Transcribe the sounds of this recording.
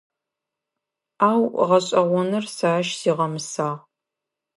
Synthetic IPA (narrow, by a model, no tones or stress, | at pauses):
aːwʁɐɕʼɐʁʷɔnɨrsaːʃz̥iːʁɐmɨsaːʁ